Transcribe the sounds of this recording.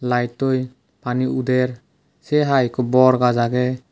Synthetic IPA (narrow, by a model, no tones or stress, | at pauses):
lajtɔj | paniud̪ɛɾ | sɛɦajkɔbɔɾɡad͡ʒaɡɛ